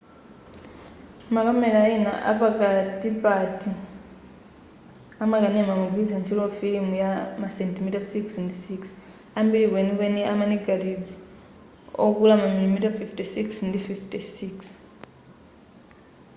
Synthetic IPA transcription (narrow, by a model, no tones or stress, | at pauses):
makamɛɾaina̰ʔa̰pakatipati | amakanɛmamukizant͡ʃʰilɔfilimujamasɛntimitasiksndisiks | ambilikwenikɛniʔamaniɡaɾibi | ɔ̰kulamamilimitafiftisiksndififtisiks